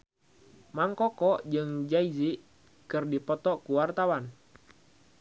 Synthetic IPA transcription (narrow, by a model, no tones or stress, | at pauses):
maŋkɔkɔʔd͡ʒɨŋd͡ʒaiziʔ | kɨrdipɔt̪ɔkuwart̪awan